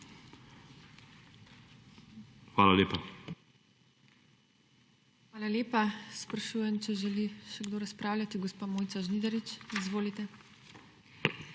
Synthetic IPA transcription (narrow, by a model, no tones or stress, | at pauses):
xʋaːlaleːpa | xʋaːlaleːpaspɾaʃuːjɛmt͡ʃɛʒɛliʃɛɡd̪oːɾaspɾaːwlʲat̪iɡɔspamoːjt̪saʒnid̪ɛɾit͡ʃizʋoːlit̪ɛ